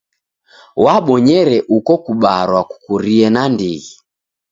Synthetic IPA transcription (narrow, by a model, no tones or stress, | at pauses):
waɓɔɲɛɾɛʔukɔkuɓaɾwaku̥kuɾiɛnandiɣi